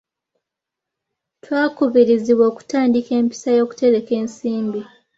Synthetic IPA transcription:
twaːkuβiɾiziβwo̞ːku̥taːndike̞ːmpi̥sajo̞ːku̥te̞ɾe̞ke̞ːnsiːmbi

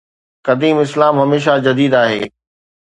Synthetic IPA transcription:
kɐd̪iːmɪslaːmɦɐmeːʃ̬ad͡ʑɐd̪iːd̪aːɦḛː

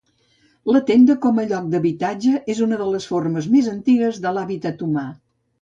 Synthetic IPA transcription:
lət̪end̪əkɔməʎɔk̚d̪əβit̪ad͡ʒəʔezunəðələsforməzmezənt̪iɣəzðəlaβit̪ət̪uma

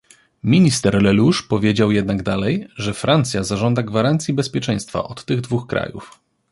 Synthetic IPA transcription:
mʲiɲist̪ɛɾlɛluʂpɔvʲjed͡ʑawjɛd̪naɡd̪alɛjʐɛfɾʔant̪sʲjazaʐɔnd̪aɡvaɾant̪sʲjibɛspʲjɛt͡ʂɛj̃st̪fa̰ʔɔt̪ːɘɣd̪vuxkɾa̰jṵf

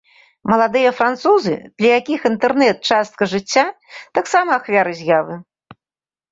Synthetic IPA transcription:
mɐlˠad̪ɨjɐfɾant̪suzɨ̰d̪̥lʲɐjakʲixint̪ɛrnɛt̪̚t͡ʂast̪̚kɐʐɨt͡sʲːat̪aksamɐːxvʲaɾɨzʲjavɨ

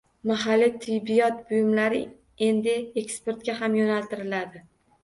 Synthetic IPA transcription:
maɦalːit̪ʰɪjbɪjɒt̪̚bʊjɪmlaɾɪ | e̞nd̪ɪekspe̞ɾt̪̚kʲaɦamjonalt̪ɪɾɪlad̪ɪ

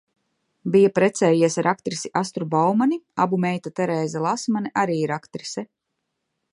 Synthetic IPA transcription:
bijapɾɛt̪sɛːjiɛsaɾʔakt̪ɾisiʔast̪ɾubawmania̰bumɛjt̪at̪ɛɾɛːzɛlˠasmanɛʔaɾiːiɾakt̪ɾisɛ

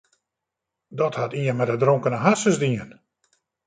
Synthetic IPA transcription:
dɔthatiənmɛdədroŋkənəɦasəzdiən

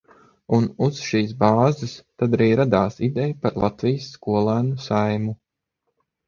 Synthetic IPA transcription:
unuz̥ʃiːsbaːzɨst̪ad̪aɾiːɾad̪aːsid̪ɛjpaɾlˠat̪vijsːkuɔlˠaːnusajmu

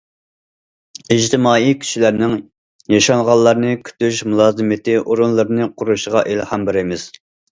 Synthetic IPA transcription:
iʒt̪ʰɪmɑːikʲʰy̥ʃilæɾnɪŋ | jɑʃɑŋʁɑlˠlˠːɑɾnɨkʲʰy̥t̪yʃmulˠɑːzɨmɪt̪ʰɪʔoɾunlˠɨɾnɨqʰʊɾuʃəʁɑʔelhɑmbɪɾɪmɪz̥

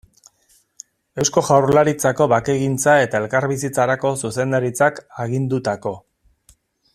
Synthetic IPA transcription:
e̞wsko̞ʝawrlaɾit͡sako̞βake̞ɣint͡sae̞t̪ae̞lkaɾβisit͡saɾako̞suse̞nd̪aɾit͡sakaɣind̪ut̪ako̞

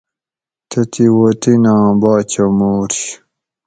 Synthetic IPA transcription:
t̪ʰɐt̪iwot̪inãːbaːt͡ɕɐmoːɾɕ

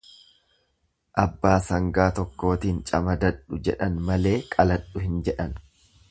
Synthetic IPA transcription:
ʔɐbːaːsɐŋɡaːt̪ɔkːo̞ːt̪iːnt͡ʃʼɐmɐd̪ɐᶑʊd͡ʒɛᶑɐnmɐle̞ːkʼɐlɐᶑʊhɪnd͡ʒɛᶑɐn

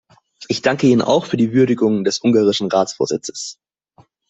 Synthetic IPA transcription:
ʔɪçd̥aŋkəiːnənʔa̰ʊxfyːɐdiːvʏɐdɪɡʊŋəndɛsʔʊŋɡaːʁ̞ɪʃn̩ʁaːt͡sfoːɐzɪ̰t͡sə̥s

